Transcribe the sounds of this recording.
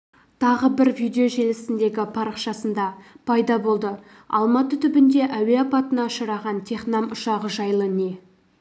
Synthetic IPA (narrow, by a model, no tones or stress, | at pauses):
t̪ʰɑʁəbɪɾvijd̪eoʒe̞lɪsɪnd̪e̞ɡʲɪpʰɑɾəqʃɑsənd̪ɑpʰɑjd̪ɑbo̞lˠd̪ə | ɑ̰lˠmɑt̪ət̪ʰʏbɪnd̪e̞ʔæwe̞ɑpɑt̪ənɑʃəɾɑʁɑnt̪ʰeχnɑmʊʃɑʁəʒɑjlˠəne̞